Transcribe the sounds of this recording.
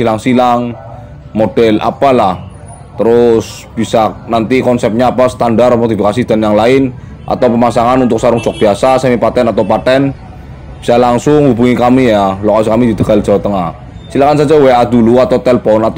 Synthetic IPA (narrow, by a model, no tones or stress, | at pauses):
silaŋsilaŋ | mod̥ɛlʔa̰palah | t̪əɾʊs | b̥isanant̪ikɔnsɛp̚ɲaːpasə̥t̪andarmot̪ifikasid̪̥a̤njaŋlaɪn | ʔa̰t̪awpəmasaŋanunt̪ʊk̚saɾʊŋ̥t͡ʃɔk̚b̥iasasamipat̪ɛnat̪awpat̪ɛn | b̥i̥salaŋsʊŋhubuŋikamijalokasikamid̪id̪̥əɡ̥ald̥ʒ̥a̤wat̪əŋah | silakansad͡ʒawead̪uluat̪awt̪ɛləpɔnat̪